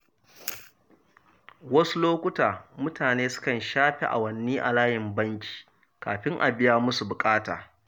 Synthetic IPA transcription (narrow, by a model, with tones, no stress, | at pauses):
wɐ˦su˦loː˦kʷʊ˦taː˨mʊ˦taː˨neː˦sʊ̥˦kɐ˨nʃaː˦ɸe˨ʔa̰˨wɐ˨nːiː˦ʔa̰˨laː˦jɪ˨mbɐ˦ŋkʲi̥ː˨ | kaː˨ɸɪ˦ŋʔa̰˨bɪ˦jaː˦mʊ˦su˨bʊ˨kʼaː˦ta̰ː˨